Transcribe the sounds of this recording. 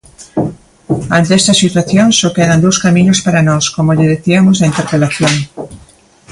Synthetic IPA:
ant̪eest̪ɐsit̪waθjoŋsokeðand̪owskamĩɲospaɾanɔskomoʎeðeθiɐmozðaint̪eɾpelaθjõŋ

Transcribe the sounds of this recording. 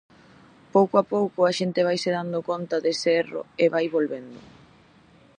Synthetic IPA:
powkoapowkʊaʃent̪ɪβ̞ajseðand̪ʊkont̪aðeseero̰eβajβolβend̪ʊ̰

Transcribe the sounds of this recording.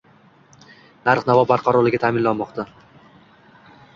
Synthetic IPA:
naɾqnavɒbaɾqʰɑɾɒɾlɪɡʲɪt̪ʰaːmɪnlanmɒqt̪ʰa

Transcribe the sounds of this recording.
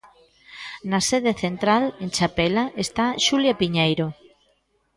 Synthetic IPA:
naseðeθent̪ɾalent͡ʃapelaʔest̪aʃuljapiɲejɾo

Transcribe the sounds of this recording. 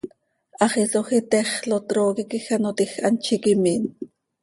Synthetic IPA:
ʔɑχisoxit̪ɛχlot̪ɾoːkikixanot̪ixɑ̰nt͡ʃʰikimin

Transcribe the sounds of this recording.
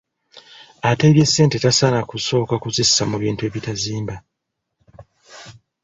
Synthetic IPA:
ate̞ːβje̞sːe̞ːnte̞tasanakuso̞ːkakuzissamuβiːntueβitaziːmba

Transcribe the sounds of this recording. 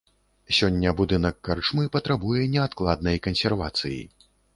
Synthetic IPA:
sʲɔnʲːɐbud̪ɨnɐkːart͡ʂmɨpɐt̪ɾabujɛnʲɛat̪klˠad̪̚nɐjkɐnsʲɛrvat̪sɨjḭ

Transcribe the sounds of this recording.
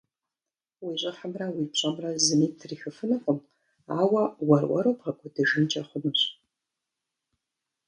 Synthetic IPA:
wiɕʼɪħəmrawiːpɕʼɐmrazɨmiːtʰriːxɨfɨnɨqʷʼʊm | aːwɐwɐrʔʷɔ̰ɾowpʁɐkʷʰʼʊdɐʒɪnt͡ʃʼɐχʷʊmɨɕʼ

